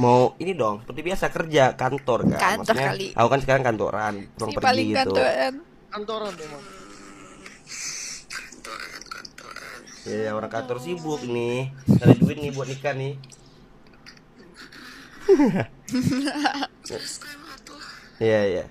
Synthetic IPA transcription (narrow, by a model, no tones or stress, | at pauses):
mauinidɔŋsəpərt̪ibiasakərd͡ʒakant̪ɔrka̰maksɲaliʔa̰ukansəkaɾaŋkant̪o̰ɾʔa̰npuɾaŋərɡɡiŋɡikaut̪an | kant̪oɾand̪ɔa | k | jajaoɾaŋkant̪ɔrsibʊk̚nɪaɾiduɪt̪̚nɪbuat̪nikanɪh | ijaija̰